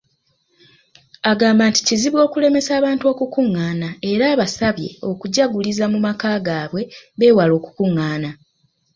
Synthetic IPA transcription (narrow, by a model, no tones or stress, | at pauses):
aɡaːmbaːnti̥ciziβwo̞ːkule̞me̞saːβaːnto̞ːkukuŋːaːnae̞ɾaːβasaβje̞̰o̞kuɟaɡulizamumakaːɡaːβwe̞βe̞ːwalo̞ːku̥kuŋːaːna